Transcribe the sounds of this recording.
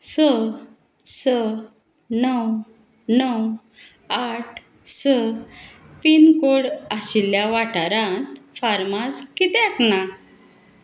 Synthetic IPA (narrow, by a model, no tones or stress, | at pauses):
sə | sə | nəw | nəw | aʈʰ | sə | pinkoɽaɕiljaʋaʈaɾãnt̪faɾmaskit̪ɛakna